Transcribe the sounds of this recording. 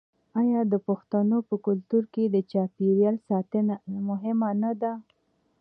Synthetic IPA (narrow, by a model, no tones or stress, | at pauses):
ajɑd̪əpʊxt̪anopəkʊlt̪uɾked̪ət͡ʃɑpiɾjɑlsɑt̪ənamʊɦɪmanad̪a